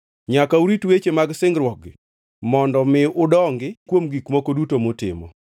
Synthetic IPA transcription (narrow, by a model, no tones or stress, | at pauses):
ɲakauɾitwet͡ʃemaɡsɪŋɡɾwɔɡɪ̰ | mɔndɔmɪʔʊdɔŋɡɪkwomɡikmokodutomʊtɪ̰mɔ̰